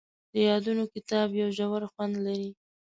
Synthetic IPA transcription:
d̪̥əjɑd̪unokɪt̪ɑbjawʒawaɾxwand̪laɾi

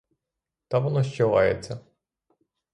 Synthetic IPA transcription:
t̪ɑʋɔnɔʃt͡ʃɔʋɑ̰jḛt͡sʲːɐ

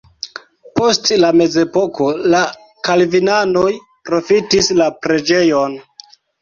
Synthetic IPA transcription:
po̞stlame̞ze̞po̞ko̞la | kalvinano̞j | pɾo̞fitislapɾe̞d͡ʒe̞jo̞n

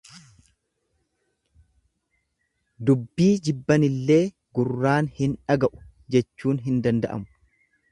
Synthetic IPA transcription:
d̪ʊbːiːd͡ʒɪbːɐnɪlːe̞ː | ɡʊrːaːnhɪnᶑɐɡɐʔʊ̥ | d͡ʒɛt͡ʃːuːnɦɪnd̪ɐnd̪ɐʔɐ̰mʊ̥

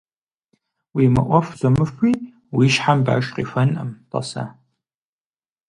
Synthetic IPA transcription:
wiːmɐ̰ʔʷɔfzɐmɨfiː | wiʃħamba̰ːʃqḭːfɐnʔɐ̰mtʼɐ̰sa̰

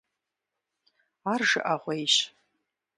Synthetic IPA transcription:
arʐɨ̰ʔaʁʷejʃ

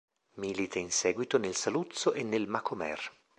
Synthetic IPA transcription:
miːlit̪ʰeinsɛːɡwit̪onelsalut̪soʔenːelmakʰomɛ̰r

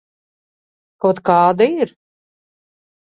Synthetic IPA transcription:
kawt̪kɑːd̪aiɾ

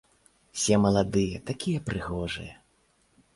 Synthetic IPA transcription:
sʲɛmɐlˠad̪ɨjɛt̪akʲijɐpɾɨɣɔʐɨ̰jɐ

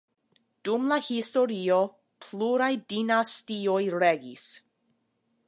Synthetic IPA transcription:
d̥umlahistoɾio | pʰluɾajdinastiojɾeɡḭs

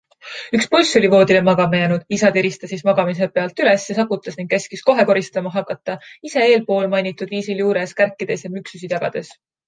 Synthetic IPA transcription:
ykspulʲsolʲivo̞ːd̪ile̞mɑɡ̥ɑmejæːnud̪̥isɑt̪eɾist̪ɑsismɑɡ̥ɑmis̬e̞pe̞ɑlt̪ˑyle̞sjɑsɑkːut̪ːˑɑsniŋɡ̚ke̞skisko̞ɦe̞ko̞ɾist̪ɑmɑɦɑkːˑɑt̪ˑːɑise̞e̞ːlpo̞ːlmɑjnit̪ːˑud̪̥viːsiljuːɾeskærkːˑid̪̥esjɑmyksusid̪jɑɡ̥ɑ̰d̪̥e̞s

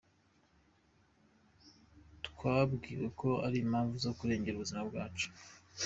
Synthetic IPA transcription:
tkwabɡiːɾeko̞aɾimhaːɱvuzo̞kuɾe̞ːɲɟe̞ɾuβuzimabɡaːt͡ʃu̥

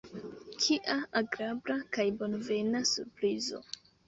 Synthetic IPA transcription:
t͡ʃiʔaaɡɾabɾakajbo̞nve̞nasuɾpɾizo̰

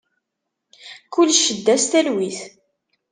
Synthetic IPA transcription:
kʊlːʃːəd̪ːæst̪ælwiθ

